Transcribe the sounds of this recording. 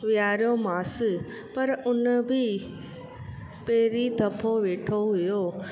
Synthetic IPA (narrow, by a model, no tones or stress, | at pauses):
ʋɪjaːɾjomaːs | pɐɾʊnbʱɪ | peːɾid̪ʱɐpʰoʋeːʈʰoɦʊjoː